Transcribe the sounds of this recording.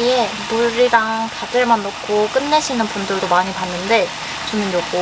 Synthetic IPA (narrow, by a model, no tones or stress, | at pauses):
ie | noɾidaŋpadɯɭmanːokʰok͈ɯnːeɕʰinɯnpundɯɭdomaɲipanːɯnde̞ | t͡ɕonɯmjoɡo